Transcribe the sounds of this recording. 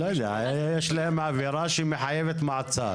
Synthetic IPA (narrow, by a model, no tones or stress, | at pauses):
lojd̪ɛʕajajajeʃlahemʕaviɾaʃimeħajevet̪maʕt͡sa̰